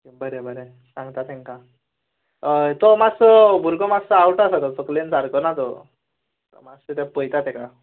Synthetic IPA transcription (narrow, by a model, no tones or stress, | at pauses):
bəɾebəɾe | sãŋɡt̪at̪ʰeŋka | t̪ɔmaksɔbʱuɾɡɔmaɡsəawʈasat̪ɔt͡sɔklensaɾkɔnat̪ɔ̰ | t̪ɔ̰makset̪ɛpəjt̪at̪ɛka